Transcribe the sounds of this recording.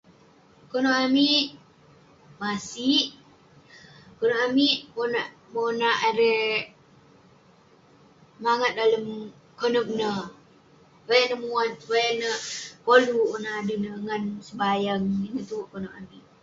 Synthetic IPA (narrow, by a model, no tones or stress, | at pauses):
konoʔamiʔ | masiʔ | konoʔamiʔmonaʔ | monaʔaɾe | maŋət̪̚daləm | konək̚nə | bajaʔnəmuat̪̚bajanəpoluonaːdunəŋansəbajaŋinət̪uʔkonoʔamiʔ